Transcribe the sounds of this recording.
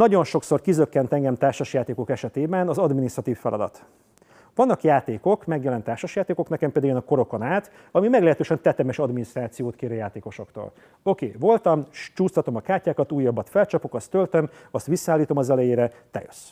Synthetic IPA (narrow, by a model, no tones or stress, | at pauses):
nɒɟo̞nʃo̞kso̞rkizøkːɛnt̪ɛŋɡɛmt̪aːrʃɒʃjaːt̪eːko̞kɛʃɛt̪eːbɛnɒzɒd̪minist̪rɒt̪iːfːɛlʔɒ̰d̪ɒ̰t̪ | ʋɒnːɒkjaːt̪eːko̞kmɛɡjɛlɛnt̪ːaːrʃɒʃjaːt̪eːko̞knɛkɛmpeːd̪ɡenɒko̞ɾo̞ko̞naːt̪ | ɒmimɛɡlɛɦɛt̪øːʃɛnt̪ɛt̪ɛmɛʃɒd̪minist̪raːt̪sijoːt̪keːɾøjaːt̪eːko̞ʃo̞kt̪o̰l | o̞kḛːvo̞lt̪ɒmt͡ʃuːst̪ɒt̪o̞mɒkaːrcaːkɒt̪uːjːɒbːɒt̪fɛlt͡ʃɒpo̞kɒst̪ːølt̪ømɒst̪ʋisːɒaːlːiːt̪o̞mɒzɛlɛjeːɾɛt̪ɛ̰jøs